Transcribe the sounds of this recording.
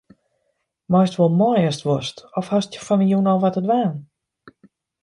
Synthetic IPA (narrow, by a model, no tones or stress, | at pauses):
mɔjstʋolˠmɔnɪəstʋostɔfhastjəfɔnəjunɔʋatədʋaːn